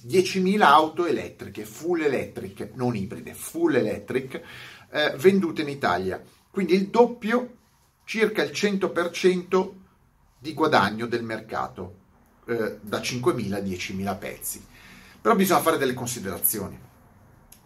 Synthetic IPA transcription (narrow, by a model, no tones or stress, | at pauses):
d̪jɛt͡ʃimiːlaawt̪oelɛ̰t̪ːɾikefulːelɛt̪ːɾiknoniːbɾḭd̪efulːelɛt̪ːɾik | vend̪uːt̪einit̪a̰lja̰ | kwind̪iːld̪opːjo | t͡ʃirkailt͡ʃɛnt̪opert͡ʃɛnt̪o | d̪iɡwad̪aɲːod̪elmerka̰ːt̪o | d̪at͡ʃiŋkwemiːlad̪jɛt͡ʃimiːlapɛ̰t̪sːipeɾɔbizɔɲːafaːɾed̪elːekonsid̪eɾa̰t̪sːjo̰ːni